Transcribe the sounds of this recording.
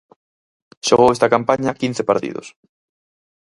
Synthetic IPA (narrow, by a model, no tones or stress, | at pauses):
ʃoɣowest̪ɐkampaɲɐkin̟θepaɾt̪ḭðʊ̰s